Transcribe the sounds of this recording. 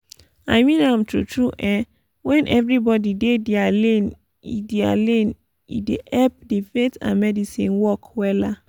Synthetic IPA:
a̰jmĩnãmtṵtʰɹuʔɛ̃ | wɛ̃nʔɛvɹibɔdidedialẽn | ḭdea̰lẽn | ḭdeʔɛp̚difetã̰nmɛdisĩnwɔkwɛla

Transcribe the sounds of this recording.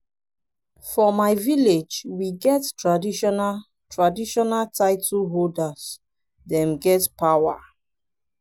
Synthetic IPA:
fɔmaɪviled͡ʒwiɡɛttɹadiʃɔna | tʰɹadiʃɔnaltʰaɪtʰulɦoldas | dɛ̃mɡɛtpawa̰

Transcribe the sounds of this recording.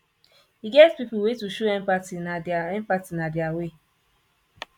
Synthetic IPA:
iɡɛtpipʊwetuʃoɛmpatinaɛmpatinadɪawe

